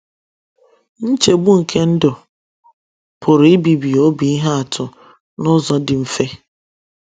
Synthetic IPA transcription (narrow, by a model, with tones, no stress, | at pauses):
n̩˦t͡ʃe˨ɡ͡bu˦ŋ̩˨kʰe˦n̩˦dʊ˨ | pʰʊ˨ɾɪ˦bi˨bi˨o˦bi˨i˦ɦa˦a˨tʰʊ˨ | nʊ˦zɔ˦dɪ˨m̩˨fe˦